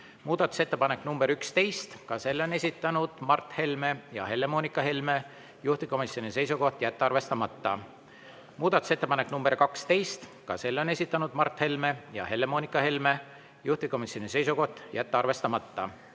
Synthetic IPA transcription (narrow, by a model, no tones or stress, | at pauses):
muːd̪̥ɑt̪ːˑu̥se̞t̪ːe̞pɑne̞kːˑnumb̥e̞ɾykst̪e̞jst̪kɑse̞lːo̞ne̞sʲit̪ːˑɑnud̪̥mɑrt̪ˑhe̞lme̞jɑ̰he̞lːemo̞ːnʲikːˑɑɦe̞lme̞ | juht̪iko̞misjo̞nise̞jsuko̞ht̪ˑjæt̪ːɑrve̞st̪ɑmɑt̪ːɑ | muːd̪̥ɑt̪ːˑu̥se̞t̪ːe̞pɑneknumb̥erkɑkst̪e̞jst̪kɑ̰se̞lːo̞ne̞sʲit̪ˑːɑnud̪̥mɑrt̪he̞lme̞jɑ̰ɦe̞lːemonikːˑɑhe̞lme̞ | juht̪iko̞misʲjo̞nise̞jsuko̞ht̪ːˑjæt̪ːeɑrve̞st̪ɑmɑt̪ːɑ̰